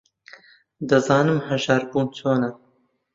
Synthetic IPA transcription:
d̪ɐzɑːnɨmhɐʒaːɾbuːnt͡sʰoːnɐ

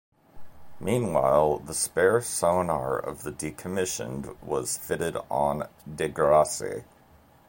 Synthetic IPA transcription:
mĩnwa̰ɪlˠðəspɛɹsoʊnɑɹʌ̰vðɨdikʰɨmɪʃɨ̰̃nwʌz̥fɪɾɪɾn̩dɪɡə˞ɑsḭ

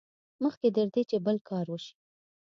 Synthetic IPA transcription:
məxked̪əɾd̪et͡ʃebəlkʰɑɾwəʃi̥

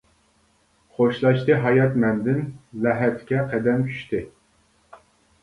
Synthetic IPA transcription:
χoʃlˠɑʃt̪ɨɦɑjɑt̪mɛnd̪ɪnlɛɦɛt̪ʰkʲʰɛqʰæd̪ɛmt͡ʃʰy̥ʃt̪ʰɪ

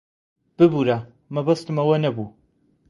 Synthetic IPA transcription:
b̥ɨbuɾa | mɐbɐst̪ɨmɐwɐnɐbu

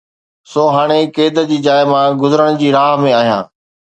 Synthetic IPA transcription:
soːɦaːɽ̃ekeːd̪əd͡ʑiːd͡ʑaːjmãɡʊzəɾəɽ̃d͡ʑiːɾaːɦmẽaːɦjã̰ː

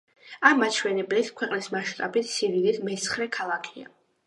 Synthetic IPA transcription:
amat͡ʃʰwɛnɛblit̪ʰkʰwɛqʼnismaʃt̪ʼabit̪ʰsivilid̪mɛt̪sʰχɾɛkʰalˠakʰia̰

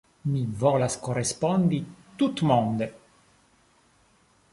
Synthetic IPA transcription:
mivolaskorespond̪it̪ut̪mond̪e

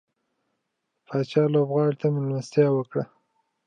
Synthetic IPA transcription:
fɑt͡ʃɑlobɣɑɽit̪amɪlmast̪jɑwəkɽa

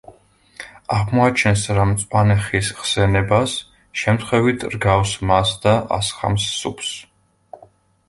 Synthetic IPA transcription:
aʁmɔat͡ʃʰɛnsɾamt̪sʼwanɛχisχsɛnɛbas | ʃɛmt̪ʰχwɛvit̪ʰɾɡafsmasd̪aʔa̰sχa̰msːṵpʰs

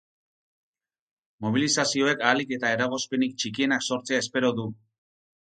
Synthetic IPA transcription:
mo̞βilisasio̞e̞kalike̞t̪ae̞ɾaɣo̞spe̞nik̚t͡ʃikie̞nakso̞ɾt͡seaespe̞ɾo̞ðu

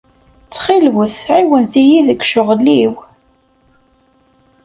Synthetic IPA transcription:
t͡sːχilwəθʕiwənθijiðəkʃʊʁlːiw

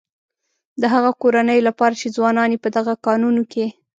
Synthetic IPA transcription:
d̪əɦaɣakoɾanəjolapɑɾat͡ʃed͡zwɑnɑnepəd̪aɣakɑnunoke

